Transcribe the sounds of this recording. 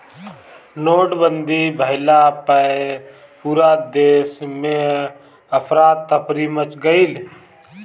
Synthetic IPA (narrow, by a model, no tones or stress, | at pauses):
noːʈbənd̪ʱibʱəɦɪlapə | puɾaːt̪̚d̪eːsmẽ | əpʰɾaːt̪ːəpʰɾimət͡ʃɡəil